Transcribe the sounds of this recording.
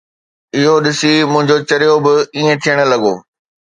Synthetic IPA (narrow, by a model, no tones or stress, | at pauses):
ɪɦoɗɪsimʊ̃ɦɪ̃ɲd͡ʑot͡ɕɐɾɪjobɪiːẽt̪ʰijəɽ̃ə̆lɐɠoː